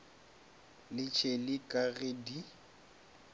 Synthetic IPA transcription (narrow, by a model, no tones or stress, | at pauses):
lɪt͡ʃʰelɪkʼaɣedi